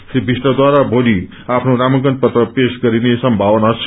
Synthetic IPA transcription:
sibʱisʈʌd̪waɾabʱoli | apʰnoɾamʌɡʌnt̪̚pʌt̪rʌpesɡʌɾinesʌmbʱawʌnat͡sʰ

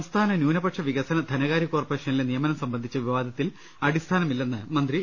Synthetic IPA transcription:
ɐmst̪ʰaːnɐnjuːnɐpɐʈʂɐʋiɣɐsɐnɐd̪ʱɐnɐɣaːɾjɐkːo̞ːrpɐreːʂɐnilenijɐmɐnɐmsɐmbɐnd̪ʱit͡ɕːɐʋiʋaːd̪ɐt̪ːil | ɐɽist̪ʰaːnɐmilːenːɨmɐnd̪ri

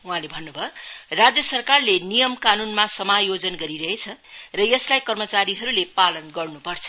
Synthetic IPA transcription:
uɦãlebʱʌnːubʱʌrad͡zjʌsʌrkarlenijʌmkanunmasʌmajod͡zʌnɡʌɾiɾʌɦet͡sʰʌrʌjʌslajkʌrmʌt͡saɾiɦʌɾulepalʌnɡʌrnupʌrt͡sʰʌ̥

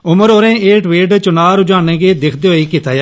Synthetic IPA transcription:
ʊməɾoːɾẽːeːʈʋeːʈt͡ʃʊnaːɾʊd͡ʒaːnẽːɡeːd̪ɪkʰd̪eːoːiːkɪt̪aːjaː

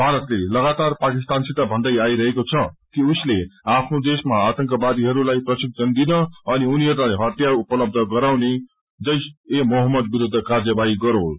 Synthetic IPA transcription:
bʱaɾʌt̪lelʌɡat̪arpakist̪ansit̪abʱʌnd̪ʌjaiɾʌɦekot͡sʰʌkiusleapʰnod̪esmaat̪ʌŋkʌbad̪iɦʌɾulajprʌsik̚d͡zʌnd̪inʌʌniuniɦʌɾulajɦʌt̪jaupʌlʌb̚d̪ʱʌɡʌɾawne | d͡zʌjsemoɦʌmːʌd̪̚biɾud̪ʱːʌkard͡zʌbaiɡʌɾõ

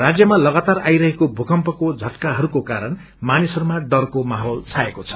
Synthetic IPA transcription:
rad͡zjʌmalʌɡat̪arajɾʌɦekobʱukʌmpʌkod͡zʱʌʈkaɦʌɾukokaɾʌn | manisʌɾumaɖʌrkomaɦolt͡sʰaekot͡sʰʌ̥

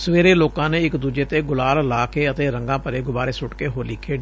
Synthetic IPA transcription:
səʋeːɾeːloːkãːneːɪkd̪uːd͡ʒeːt̪eːɡʊlaːllaːkeːət̪eːɾəŋɡãːpəɾeːɡʊbaːɾeːsʊʈkeːɦoːlɪkʰːeːɖ

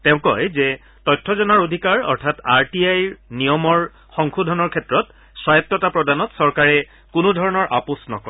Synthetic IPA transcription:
tẽʊ̃kɔ̰jzɛ | tɔjtʰːɔzɔnaɹodʱikaɹɔ̰ɹtʰataɹtiajnijɔmɔɹ | xɔŋxudʱɔnɔɹkʰɛtɹɔt | swajɔtːɔtapɹɔdanɔtsɔɹkaɹɛ | kʊnudʱɔɹɔnɔɹʔa̰pusnɔ̰kɔ

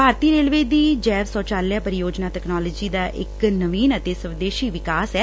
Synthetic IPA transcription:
bʱaːɾt̪iːɾeːlʋeːd̪iːd͡ʒɛːʋsɔːt͡ʃaːljaːpəɾɪjoːd͡ʒnaːt̪ɛknaːlːd͡ʒiːd̪aːʔɪ̰knəʋiːnət̪eːsəʋd̪eːʃiːʋɪkaːsɛː

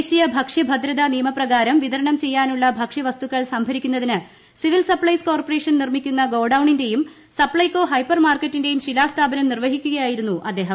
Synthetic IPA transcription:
ɕijɐbʱɐkʂɐbʱɐd̪ɾɐðɐnijɐmɐprɐɣaːɾɐmʋiðɐɾɐɳɐmt͡ɕe̞jːaːnuɭːɐbʱɐkʂɐʋɐst̪uɣːɐɭsɐmbʱɐɾikʲːunːɐðinɨ | siʋilsɐpɭɐjsko̞ːrpore̞ːʂɐnnirmikʲːunːɐɡo̞ːɖɐwɳinde̞jum | sɐpɭɐjko̞ːɦɐjpːɐrmaːrkɐtːinde̞jumɕilaːst̪ʰaːbɐnɐmnirʋɐɦikʲːuɣɐjaːjiɾunːuʔɐd̪ːe̞ːɦɐm

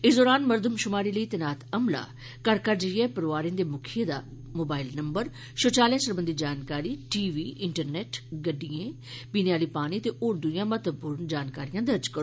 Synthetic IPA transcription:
ɪːsd̪ɔːɾaːnməɾd̪əmʃʊmaːɾiːləiːt̪ənaːt̪əmla̰ː | kəɾkəɾd͡ʒəiɛːpəɾʋaːɾẽːnd̪eːmʊkʰɪjed̪a̰ː | moːbaːɪlnəmbəɾ | ʃoːt͡ʃaːljãːsəɾbənd̪iːd͡ʒaːnkaːɾiːʈiːʋiːʔɪɳʈəɾnɛːʈɡəɖːijẽː | binejaːliːpaːñiːət̪eːʔoːɾd̪ʊjãːmət̪əpʊɾənd͡ʒaːnkaːɾijãːd̪əɾd͡ʒkəɾoː

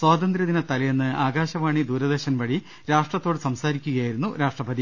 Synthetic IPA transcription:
swaːd̪ɐnd̪ɾɐðinɐt̪ɐlɐjenːɨaːɡaːɕɐʋaːɳid̪uːɾɐðeɕɐnʋɐɽi | ɾaːʂʈrɐt̪ːo̞ːɽɨsɐmsaːɾikʲːuɣɐjaːjiɾunːuɾaːʂʈrɐpɐði

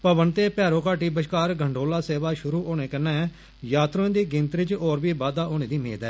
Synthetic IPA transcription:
pəʋənt̪eːpɛːɾõːkaːʈiːbəʃkaːɾɡʱəɳɖʱoːlaːseːʋaːʃʊɾuːʔoːñeːkənːɛ̃ː | jaːt̪ɾõːd̪iːɡɪ̃nt̪ɾɪt͡ʃɔːɾbiːbaːd̪aːʔoːñẽːd̪iːmḛːd̪ɛ̰ː

